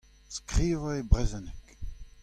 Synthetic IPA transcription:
skʁiːvaebʁɛzɛnɛk

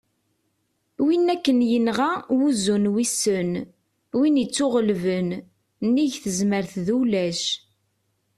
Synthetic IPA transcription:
winːækːənjənʁawuzunwisːən | winit͡sːʊʁəlvən | nːiʝθəzməɾθðulæʃ

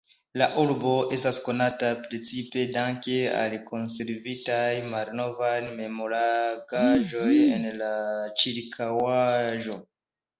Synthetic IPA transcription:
laʔuɾbo̞ʔe̞stasko̞natapɾe̞t͡sipe̞daŋke̞a̰lkʰo̞nse̞ɾvitajmalno̞vajnme̞moɾaɡaʒo̞je̞nlat͡ʃiɾkʰawaʒo

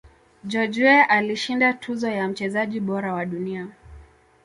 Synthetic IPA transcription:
d͡ʒɔd͡ʒuɛʔaliʃindatʰuzɔjam̩t͡ʃɛzaʄiɓɔɾawaɗunia

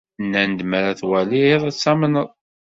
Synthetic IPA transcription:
nːænd̪məɾæθwæliðˤæt͡sːæmənəðˤ

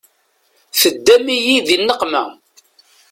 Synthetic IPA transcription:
θəd̪ːæmijiðinːəqmæ̰

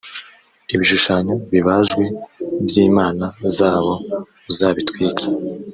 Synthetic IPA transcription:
iβiʃuʃaɲoβiβaʒɡwebjiːmaːnazaːβo̞ | uzaːβitwiːkʰe̥

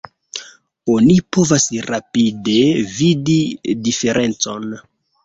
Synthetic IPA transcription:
o̞nipo̞vasɾapidevididife̞ɾʔe̞nt͡so̞n

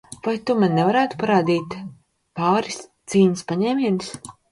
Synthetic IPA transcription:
v̥ajt̪umanːɛvaɾæːt̪u̥paɾaːd̪iːt̪ | paːɾist̪siːɲaspaɲɛːmʲiɛnɨs

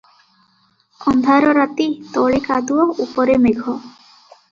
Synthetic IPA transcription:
ɔnd̪ʱaɾɔɾat̪it̪ɔɭikad̪uwɔupɔɾemeɡʱɔ

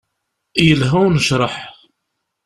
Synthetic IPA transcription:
jəlɦæwnəʃɾˤəħ

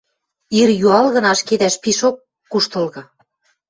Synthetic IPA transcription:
iɾjuɑlɣɤ̆nɑʃked̪æʃpiʃokː | uʃt̪ɤ̆lɣɤ̆

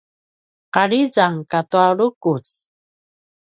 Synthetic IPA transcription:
qaɭizaŋkatuaɭukut͡s

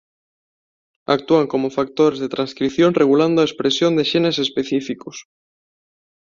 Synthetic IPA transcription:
a̰k̚t̪uaŋko̞mofak̚t̪oɾezðet̪ɾanskɾiθjo̞nreɣ̞uland̪oaespɾesjond̪eʃenesespeθifikos

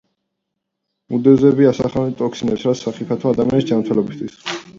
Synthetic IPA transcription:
mud̪ɛzɛbiasaχalɛnt̪ʼɔksinɛpsɾat̪saχipʰat̪ʰɔad̪amianisd͡ʒamɾt̪ʰɛlɛbist̪ʰwis

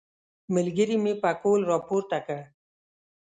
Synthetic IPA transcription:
mɪlɡəɾimepakolɾɔːpoːɾt̪akəɽ

